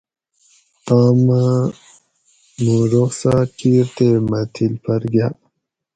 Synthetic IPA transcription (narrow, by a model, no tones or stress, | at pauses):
t̪aːma | nuːɾoxsaːʈ͡ʂiːɾt̪emɐt̪ʰilpʰɐɾɡjaː